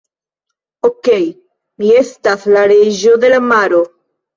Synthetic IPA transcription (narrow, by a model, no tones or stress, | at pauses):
okej | miest̪aslaɾeʒoðelamaɾo